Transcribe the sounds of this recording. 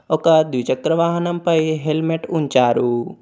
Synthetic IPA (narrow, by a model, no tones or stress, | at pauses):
okad̪wit͡ʃək̚ɾɐʋaːɦɐnɐmpɐjɦelmeʈunt͡ʃaːɾu